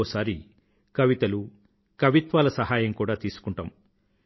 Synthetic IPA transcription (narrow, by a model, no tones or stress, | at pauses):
ɔːsaːɾi | kɐʋit̪ɐlu | kɐʋit̪ʋaːlɐsɐɦaːjɐmkuːɽaːt̪iːsu̥kuɳʈaːm